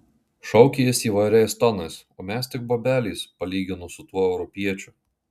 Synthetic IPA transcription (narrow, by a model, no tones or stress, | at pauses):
ʃɔʊkʲejɪsiːʋɐɪɾʲɛɪst̪ɔnɐɪsoːmʲɛst̪ʲɪk̚boːbʲæːlʲiːspɐlʲiːɡʲɪnʊsʊt̪uɔɛʊɾɔpʲiɛt͡ʃʲʊ